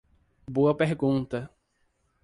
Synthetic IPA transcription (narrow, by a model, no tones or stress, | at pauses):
boɐpeɾɡũt̪ɐ